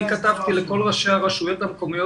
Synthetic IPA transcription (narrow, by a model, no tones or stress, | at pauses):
kat̪avt̪ileko̞lʁaʃeaʁaʃujo̞t̪hamko̞mijo